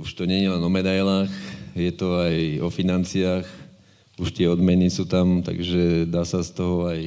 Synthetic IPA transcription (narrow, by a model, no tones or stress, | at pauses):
uʃt̪ɔɲɛɛlɛnɔmɛd̪ajlaːxjɛt̪ɔajɔfinant͡siaːx | uʃt̪ɪɛɔd̪mɛnisuːt̪amt̪a̰ɡʒɛd̪aːsast̪ɔɦɔaj